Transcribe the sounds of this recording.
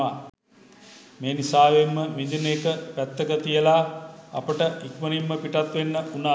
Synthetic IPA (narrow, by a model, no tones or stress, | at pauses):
a | meːnisaːʋemːəmid̪inekəpæt̪ːəkət̪ijəlaa̰pəʈəʔikʋənimːəpiʈat̪ʋenːəunaː